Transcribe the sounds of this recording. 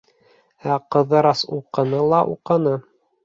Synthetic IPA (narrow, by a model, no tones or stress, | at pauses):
æqɤ̆ðɤɾɑsuqɤ̆nɤlˠɑʔṵqɤ̆nɤ